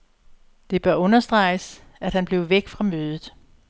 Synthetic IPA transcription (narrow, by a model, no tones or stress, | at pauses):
d̥e̝b̥ɶɐɔ̽nɐsd̥ʁɑ̈ɪs | æd̥hænb̥le̝ʊʋeɡ̥fʁɑ̈møːð̞ˠð̩ˠ